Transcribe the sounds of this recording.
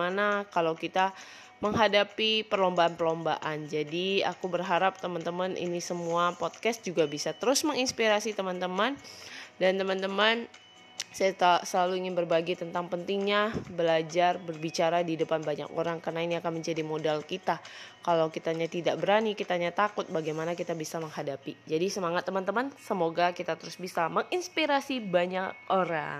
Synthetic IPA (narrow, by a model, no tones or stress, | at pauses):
anakalawkit̪a | məŋɦadapipərlombaːnpərlomba̰ʔand͡ʒadia̰kubərɦaɾap̚t̪əmant̪əmanʔḭnisəmuapɔt̪̚kɛst̪̚d͡ʒuɡabisat̪əɾʊsməŋinspiɾasit̪əmant̪əmandant̪əmant̪əman | sajat̪səlaluiŋɪnbərbaɡit̪ənt̪aŋpənt̪iŋɲabəlad͡ʒarbərbit͡ʃaɾadidəpanbaɲa̰ko̰ɾaŋkarnainiakanməɲd͡ʒadimodalkit̪akalawkit̪aɲat̪idaʔbəɾanikit̪aɲat̪akʊt̪̚baɡajmanakit̪abisaməŋhadapid͡ʒadisəmaŋat̪ːəmant̪əmansəmoɡakit̪at̪əɾʊsbisaməŋinspiɾasibaɲak̚oɾa̰ŋ